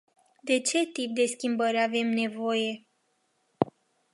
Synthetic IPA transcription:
d̪e̞t͡ʃe̞t̪ip̚d̪e̞skʲimbəɾʲave̞mne̞vo̞je̞

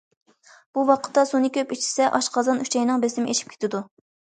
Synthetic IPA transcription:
b̥uwɑqʰə̥t̪ːɑsunɨkʲʰøpit͡ʃʰi̥sɛʔɑʃqʰɑzɑnyt͡ʃʰɛjnɨŋbesɪmɪʔeʃi̥p̚kʲʰe̥t̪ʰɪd̪u

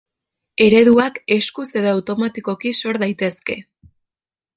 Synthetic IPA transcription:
e̞ɾe̞ðuake̞skuse̞ðoawt̪o̞mat̪iko̞kiso̞ɾðajt̪e̞ske̞̰

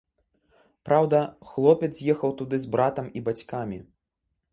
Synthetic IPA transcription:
pɾawd̪ɐxlˠɔpʲɛt̪zzʲjɛxɐwt̪ud̪ɨzbɾat̪ɐmibat͡sʲkamʲi

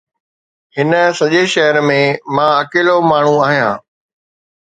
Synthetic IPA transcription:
hɪnə̆sɐʄeʃɛɦəɾmẽmãɐkeːlomaːɳ̤ũaːɦijãː

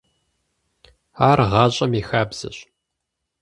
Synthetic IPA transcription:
aːrʁɑːɕʼɐmixaːbz̥ɐ̰ɕʼ

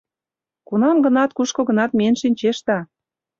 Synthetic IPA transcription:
kunɑmɡə̆nɑt̪kuʃkoɣə̆nɑt̪mʲenʃinʲt͡ɕeʃt̪ɑ

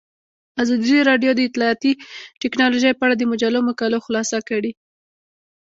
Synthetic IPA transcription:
azɑd̪iɾɑɖjod̪əɪt̪lɑːt̪iʈɪknɑloʒəjpəaɽad̪əmʊd͡ʒaloməkaloxlɑsakaɽi

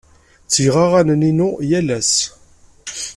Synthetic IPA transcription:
t͡sːəjʁaʁænəninujælæs

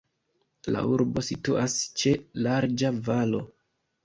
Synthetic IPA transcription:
la̰uɾbo̞situʔast͡ʃe̞laɾd͡ʒavalo̞

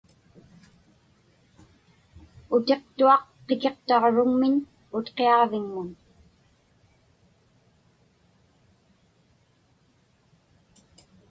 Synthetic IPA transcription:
ʊt̪e̞qt̪uɑqqːeke̞qt̪ɑʁɻʊŋmɪɲ | ʊt̪qeɑʁvɪŋmʊn

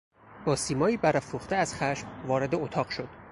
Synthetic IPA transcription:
bɒːsiːmɒːiːbæɾæfɾuːχt̪eæz̥xæʃmvɒːɾe̞d̪eot̪ʰɒːɢʃo̞d̪̥

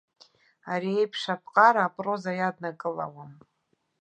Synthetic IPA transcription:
aɾiejpʰʂapʰqʼaɾaːpʼro̞zajadnakʼɨla̰wam

